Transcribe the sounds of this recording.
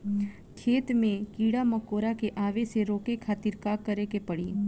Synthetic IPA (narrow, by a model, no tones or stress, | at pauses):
kʰeːt̪mẽkiːɽamɐkoːɾakeʔaːʋeseɾoːkekʰaːt̪iɾkaːkːəɾekepəɽiː